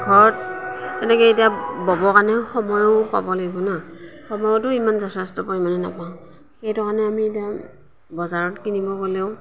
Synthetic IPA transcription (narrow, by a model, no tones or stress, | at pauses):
ɡʱɔɹɔttɛnɛkɛetijabɔbɔkanɛxɔmɔjɔpa̰bɔlaɡibɔnaxɔmɔjɔtʊimanzɔsastɔpɔimanɛna̰paʊ̃ | xejtʊkanɛamietia | bɔzaɹɔtkinibɔkoleʊ